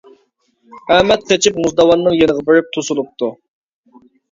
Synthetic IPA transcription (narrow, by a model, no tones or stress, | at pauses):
æmɛt̪̚qʰet͡ʃʰipmuzd̪ɑwɑnːɨŋjenəʁɑbeɾɪp̚t̪ʰusulˠup̚t̪ʰu